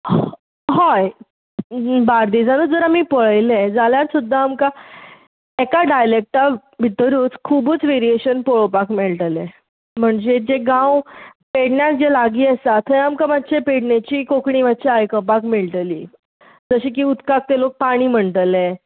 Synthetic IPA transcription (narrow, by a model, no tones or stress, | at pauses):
ɦɔj | baɾd̪iːd͡zanuːd͡zəɾamiːpəɭəjled͡zaljaɾsud̪ʱːaːmka | ekaɖajlek̚ʈa | bʱit̪əɾuːt͡skʰuːbut͡sʋeɾieɕənpoɭopakmeɭʈəle | m̤əɳd͡ʑed͡ʑeɡãwpeɽɳjak̚d͡ʑelaɡiːəsat̪ʰːəjamkamat̪ːɕʰepeɽɳet͡ɕiːkokɳiʋat̪ːɕiajkəp̬akmeɭʈliː | d͡zəɕiːkiːut̪kak̚t̪elok̚paɽ̃iːm̤əɳʈ̪əle